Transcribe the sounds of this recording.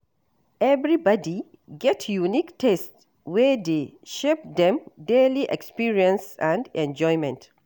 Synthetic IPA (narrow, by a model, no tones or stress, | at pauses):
ʔɛvɹibɔdi | ɡɛtʰjuniktʰɛst | wɛd̪eʃep̚d̪ɛ̃mdeliʔɛ̰kspiɹiɛ̃nsãndɛ̃nd͡ʒɔjmɛ̃nt